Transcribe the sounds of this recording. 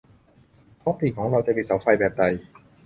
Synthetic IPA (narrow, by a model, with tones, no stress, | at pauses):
kʰɔː˦˥pʰiː˨˩kʰɔː˩˦ŋɾa˧wt͡ɕa˨˩pi˨˩t̚sa˨˦wfa˧jbɛː˨˩p̚da˨˧j